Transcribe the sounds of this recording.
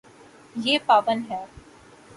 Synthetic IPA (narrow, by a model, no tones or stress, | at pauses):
jeːpaːʋənɦɛ